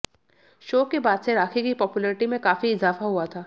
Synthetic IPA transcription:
ʃoːkebaːd̪seɾaːkʰikipɔːpjʊlɛːɾɪʈimẽkaːfiɪzaːfaɦuat̪ʰaː

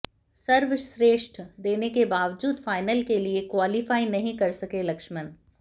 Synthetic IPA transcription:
sɐɾʋʃɾeːʃʈʰd̪eːnekebaːʋd͡ʒuːd̪faːɪnəlkeliekwaːlɪfaːinɐɦĩkɐɾsɐkelɐkʃmən

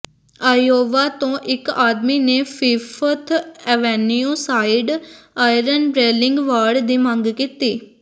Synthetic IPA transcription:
aːjoːʋaːt̪õːʔɪkaːd̪miːneːpʰɪːpʰət̪ʰɛʋɛːnijuːsaːɪɖaːɪɾənɖɾeːlɪŋɡʋaːɖd̪iːməŋɡkiːt̪iː

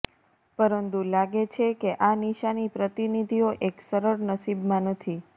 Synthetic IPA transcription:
pəɾənt̪ulaɡet͡ʃʰekeʔaniʃanipɾət̪inid̪ʱioʔeksəɾəɾnəsibmãnət̪ʰi

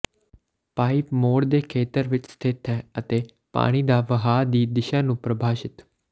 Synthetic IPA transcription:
paːipmoːɽd̪eːkʰeːt̪əɾʋɪt͡ʃst̪ʰɪt̪ɦɛːət̪eː | pa̰ːɽ̃iːd̪aːʋəɦaːd̪iːd̪ɪʃaːnũːpɾəbʱaːʃɪt̪

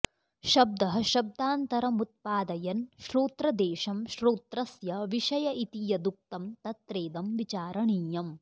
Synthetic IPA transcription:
ʃɐb̚d̪ɐɦɐ̆ʃɐb̚d̪aːnt̪ɐɾɐmut̪̚paːd̪ɐjɐnʃɾuːt̪ɾɐd̪eːʃɐmʃɾuːt̪ɾɐsjɐʋiʃɐjɐʔit̪ijɐd̪uk̚t̪ɐmt̪ɐt̪ɾeːd̪ɐmʋit͡ʃaːɾɐɳiːjɐm

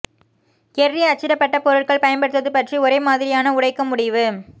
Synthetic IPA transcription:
kɛrrːiɐt͡ʃːɪɾɐpːɐʈːɐpɔɾɯʈkɐɭpɐjɐnpɐɽɯt̪ːɐðɯpɐʈriʊɾɐɪmaːðɪɾɪjaːnɐʊɽɐɪkːɐmʊɽɪʋɯ

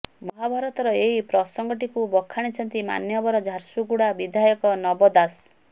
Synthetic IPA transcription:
mɔɦabʱaɾɔt̪ɔɾɔeɦipɾɔsɔŋɡɔʈ̬ikubɔkʰːaɽ̃it͡ʃʰɔnt̪ima̰njɔbɔɾɔd͡ʒʱaɾsuɡuɽabid̪ʱajɔkɔnɔbɔd̪as

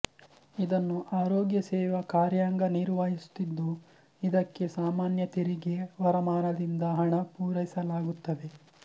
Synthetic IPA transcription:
id̪ɐnːuʔaːɾoːɡjɐsɛːʋɐkaːɾjaːŋɡɐniːɾʋaːɦisu̥t̪ːid̪ːu | id̪ɐkːe̞saːmaːnjɐt̪iɾiɡeʋɐɾɐmaːnɐd̪ind̪ɐɦɐɳɐpuːɾɐjisɐlaːɡut̪ːɐʋe̞

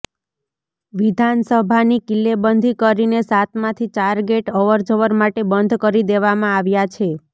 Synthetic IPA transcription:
ʋid̪ʱansəbʱanikilːebənd̪ʱikəɾinesat̪ʰmãt̪ʰit͡ʃaɾɡeʈɔʋəɾd͡ʒəʋəɾmaʈebənd̪ʱkəɾid̪eʋamãaʋjat͡ʃʰe

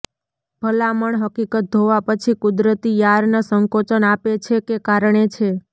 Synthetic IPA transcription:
bʱəlaməɳɦəkikət̪̚d̪ʱoʋapət͡ʃʰikʊd̪ɾət̪ijaɾnasəŋkot͡ʃənapet͡ʃʰekekaɾɳet͡ʃʰe

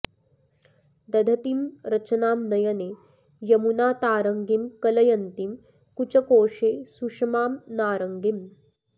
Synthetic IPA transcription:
d̪ɐd̪ʱɐt̪imɾɐt͡ʃɐnaːmnɐjɐneː | jɐmunaːt̪aːɾɐŋɡimkɐlɐjɐnt̪im | kut͡ʃɐkoːʂeːsuʂɐmaːmnaːɾɐŋɡim

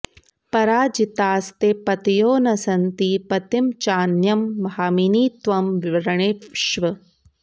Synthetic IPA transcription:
pɐɾaːd͡ʒit̪aːst̪epɐt̪ijoːnɐsɐnt̪ipɐt̪imt͡ʃaːnjɐmːhaːminiːt̪ʋɐmʋiʋɐɾɐɳeːʃʋɐ

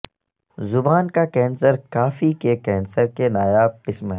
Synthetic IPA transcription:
zʊbaːnkakɛ̃ːnsəɾkaːfikekɛ̃ːnsəɾkenaːjaːb̚qɪsmɦɛː

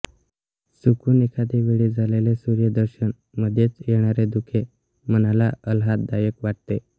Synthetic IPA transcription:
sukʰuːnikʰat̪iʋeɭiːd͡zʱalelesuɾjəd̪əɾɕən | məd̪ʱjet͡sjeɽ̃aɾed̪ukʰe | mənalaəlɦat̪̚d̪ajəkʋaʈ̚t̪e

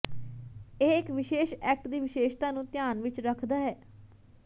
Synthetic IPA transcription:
eːɪkʋɪʃeːʃɛːk̚ʈd̪iːʋɪʃeːʃt̪aːnũːt̪jaːnʋɪt͡ʃɾəkʰd̪aːɦɛː

